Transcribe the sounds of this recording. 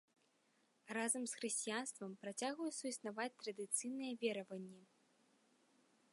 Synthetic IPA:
razɐmsxɾɨsʲt͡sʲijanst̪vɐmpɾat͡sʲaɣujusɐisnavat͡sʲt̪ɾɐd̪ɨt̪sɨjnɨjɛvʲɛɾɐvɐnʲːi

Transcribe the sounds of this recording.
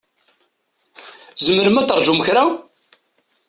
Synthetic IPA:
zəməɾəmæt̪ːəɾˤʒuməçɾa

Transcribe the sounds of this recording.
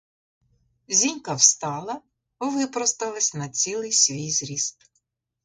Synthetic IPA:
zʲinʲkɐwst̪ɑlˠɐ | bɔʋɪpɾɔst̪ɐlˠɐsʲnɐt͡sʲilˠɪjsʲʋʲijzɾʲist̪̚

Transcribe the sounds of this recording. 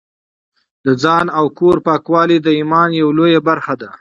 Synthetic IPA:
d̪̥əd͡zɑnawkoɾpɑkwɑlid̪əimɑnjawlojabaɾxad̪a

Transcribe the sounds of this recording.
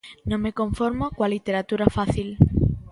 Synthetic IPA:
nõŋmekõɱfoɾmokwalit̪eɾat̪uɾafaθil

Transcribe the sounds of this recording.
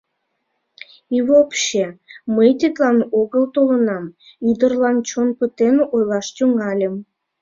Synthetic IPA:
ivopɕeməjt̪it̪lɑnoɣəlt̪olənɑm | yd̪ərlɑnt͡ɕonpət̪enojlɑʃt̪yŋɑlʲəm

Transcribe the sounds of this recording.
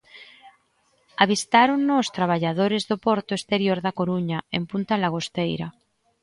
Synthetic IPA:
aβ̞ist̪aɾoŋnoːst̪ɾaβ̞aʎaðoɾezðopoɾt̪oest̪eɾjoɾðakoɾuɲaempunt̪alaɣ̞ost̪ejɾa̰

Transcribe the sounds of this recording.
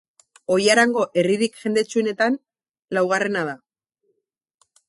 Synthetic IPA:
o̞jaɾaŋɡo̞ʔe̞riɾikʝe̞nd̪e̞t͡ʃuene̞t̪an | lawɣ̞are̞nað̞a

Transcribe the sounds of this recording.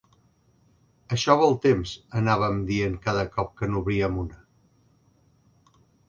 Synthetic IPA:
əʃɔβəlˠt̪emzənaβəmd̪ieŋkaðəkɔp̚kənuβɾiəmunə

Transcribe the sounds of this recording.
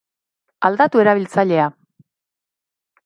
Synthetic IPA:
ald̪at̪ue̞ɾaβ̞ilt͡saʎe̞a

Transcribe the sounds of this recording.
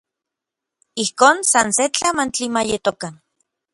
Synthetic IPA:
ihkoːnsanset͡ɬamant͡ɬimajet̪okan

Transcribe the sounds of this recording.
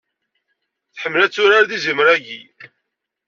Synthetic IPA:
θħəmːlæt͡sːʊɾaɾðizimɾæʝi

